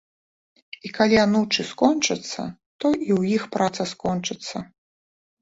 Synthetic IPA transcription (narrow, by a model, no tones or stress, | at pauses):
ikalʲianut͡ʂɨskɔnt͡ʂɐt̪sːɐ̰ | t̪ɔʔiwjixpɾʔat̪sɐskɔnt͡ʂɨt̪sːɐ